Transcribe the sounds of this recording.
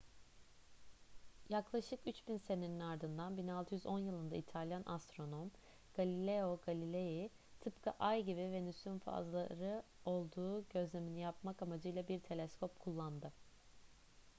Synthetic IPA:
jaklˠaʃɯkyt͡ʃbinse̞ne̞ninaɾd̪ɯnd̪anbinalˠt̪ʰɯjyzonjɯlˠɯnd̪a̰it̪ʰalʲjanʔa̰st̪ɾo̞no̞m | ɡ̥alʲilʲeo̞ɡalʲilʲeji | t̪ʰɯpkʰaʔajɟibivɛnysynfa̰zlˠaɾɯo̞lˠd̪uːɟø̞zlʲe̞minijap̚makamad͡ʒɯjlˠabiɾt̪ʰe̞lʲɛskʰo̞pkʰulˠːand̪ɯ

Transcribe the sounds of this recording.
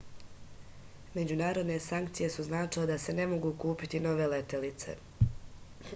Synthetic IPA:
me̞d͡ʑunaːɾo̞d̪ne̞saŋk̚t̪sije̞suznaːt͡ʃiled̪ase̞ne̞mo̞ɡuːkuːpit̪ino̞ʋe̞le̞t̪elit̪se̞̰

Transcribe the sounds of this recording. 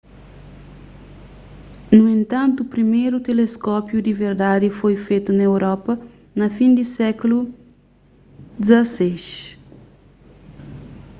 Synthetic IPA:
nuẽnt̪ɐ̃nt̪upɾimejɾut̪eleskɔpjud̪iveɾd̪ad̪ifojfet̪unɐewɾɔpɐ | nɐfĩnd̪isɛklu | d̪izɐseʃ

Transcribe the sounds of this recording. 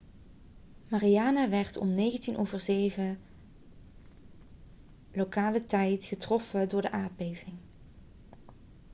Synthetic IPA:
mariaːnaʋɛɹtɔ̰mnejɣəntinʔowvəɹzejvə | lokaːlətɛjtχətrɔfədʊːɹdəʔaːɹd̚bejvɪŋ

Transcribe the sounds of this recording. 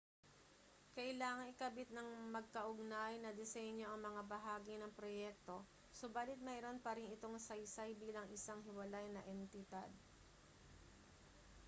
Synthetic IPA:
kɐʔɪlaːŋɐŋɪkɐbit̪̚nɐŋmɐɡ̚kɐʔʊɡ̚najnɐd̪ɛsɛɲjo̞ʔɐŋmɐŋabɐɦaːɡinɐŋpɾojɛk̚t̪o̞ | sʊbaːlɪt̪̚mɛjɾo̞npɐɾɪnɪt̪o̞ŋsɐjsajbiːlɐŋʔɪsaŋɦɪwɐlajnɐʔɛnt̪ɪd̪a̰d̪̚

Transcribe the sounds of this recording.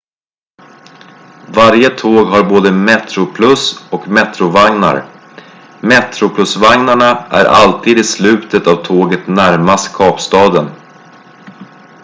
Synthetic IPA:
vaɾjət̪ʰoːɡɦaɾboːd̪əmɛt̪ɾʊpʰlɵsɔkmɛt̪ɾʊvaŋna̰ɾ | mɛt̪ɾʊpʰlɵsvaŋnaɳaʔæ̰ɾʔa̰lt̪ʰiːd̪ɪslʉ̟ːt̪ət̪avt̪ʰoːɡət̪næɾmast̪kʰɑːpst̪ɑːd̪ən

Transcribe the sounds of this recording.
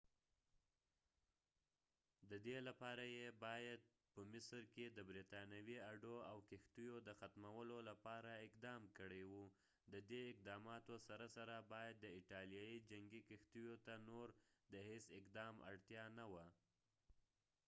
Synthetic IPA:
d̪əd̪elapɑɾajebɑjad̪̚ | pəmɪsɾked̪əbɾit̪ɑnjawiaɖoawkɪxt̪ujod̪əxat̪mawəlolapɑɾaɪqd̪ɑmkəɽewu | d̪əd̪eɪq̚d̪ɑmɑt̪osaɾasaɾabɑjad̪ːəɪʈɑljɑjid͡ʒaŋɡikɪxt̪ujot̪anoɾd̪əhesɪqd̪ɑma̰ɽt̪jɑnawa

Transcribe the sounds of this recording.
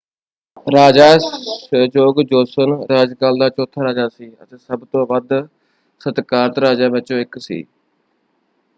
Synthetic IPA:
ɾaːd͡ʒaːeːd͡ʒoːɡd͡ʒoːsənɾaːd͡ʒkaːld̪aːt͡ʃɔːt̪ʰaːɾaːd͡ʒaːsiːə̰t̪eːsəbt̪õːʋəd̪ | sət̪kaːɾət̪ɾaːd͡ʒaːʋɪt͡ʃõːɪksḭː

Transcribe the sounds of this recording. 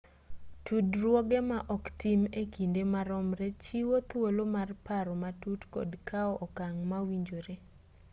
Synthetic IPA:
tudɾwɔɡɛmaʔɔktimekindemaɾɔmɾet͡ʃiwot̪wolomarpaɾɔmatutkɔ̰dkʰaɔʔɔkaŋmawiɲd͡ʒoɾe

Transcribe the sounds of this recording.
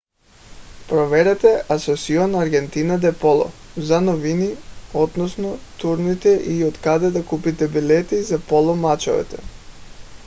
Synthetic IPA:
pɾɔvɛɾɛt̪ɛʔasɔsiɔnaɾɡɛnt̪inad̪ɛpɔlˠɔ̰zanɔviniɔd̪nɔsnɔt̪uɾnit̪ɛʔiot̪kad̪ɛd̪akupit̪ɛbilɛt̪izapɔlˠɔmat͡ʃɔ̰vɛ̰t̪ɛ̰

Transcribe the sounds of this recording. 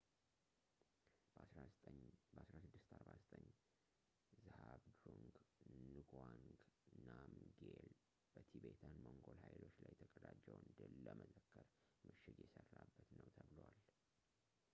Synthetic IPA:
sɾabəʔasɾasɨd̪ːɨst̪aɾbazət̪ʼəɲ | zɨhaβd̪ɾuŋɡnɨɡwaŋɡnamɡel | b̥ət̪ʰibet̪ʰanmoŋɡo̞lhajlo̞t͡ʃːlajt̪ʰəkʼəd̪ad͡ʒːəwɨnd̪ɨlːəməzəkːəɾ | mɨʃɪdjɛsərːabːət̪nəwt̪ʰəβɨləwal

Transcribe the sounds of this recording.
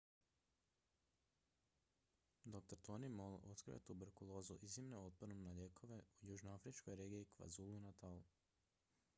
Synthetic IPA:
d̪o̞k̚t̪oɾt̪o̞nimolˠo̞t̪kɾḭʋa̰t̪ubeɾkulˠo̞ːzuʔizimneo̞t̪̚ponumnaʎeːkʰo̞ʋe̞ujuːʒnoafɾit͡ʃko̞jɾeːɡiikʋa̰zuːlunat̪alu

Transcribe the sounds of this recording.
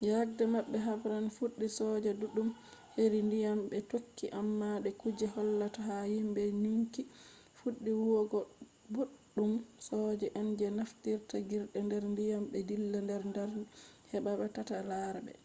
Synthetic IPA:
jaɡ̚dɛmaɓːɛɦabɾanfuɗːisɔd͡ʒɛduɗum | heɾindijambɛtokʰːiʔamːaɗɛkud͡ʒɛhɔlːataɦahimbɛniŋki | fuɗːiwuwɔɡɔ | boɗːumsɔd͡ʒɛʔand͡ʒɛnaftiɾtaɡiɾɗɛndɛɾndijamɓɛdilːandɛɾndɛɾhɛɓaɓɛtatalaɾbɛ̰

